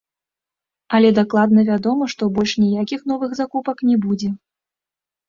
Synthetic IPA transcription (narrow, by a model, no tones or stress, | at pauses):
ɐlʲɛd̪aklˠad̪̚nɐvʲad̪ɔmɐʂt̪ɔbɔlʲʂnʲijakʲixnɔvɨɣzakupɐknʲɛbud͡zʲɛ